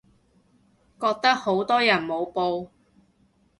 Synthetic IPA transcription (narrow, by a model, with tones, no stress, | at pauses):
kɔː˧k̚t̪ɐ˥k̚ho˨˥wt̪ɔː˥jɐ˨˩nmo˨˧wpo˧w